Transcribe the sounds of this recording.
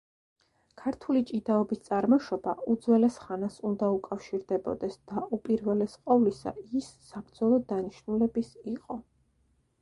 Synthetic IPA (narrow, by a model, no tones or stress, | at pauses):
kʰaɾt̪ʰulit͡ʃʼid̪aɔbist̪sʼaɾmɔʃɔbaʔud̪zwɛlɛsχanasund̪aukʼafʃiɾd̪ɛbɔ̰d̪ɛsd̪̥aupʼiɾvɛlɛsqʼɔvlisa̰isːabɾd̪zɔlˠɔd̪aniʃnulɛbisiqʼɔ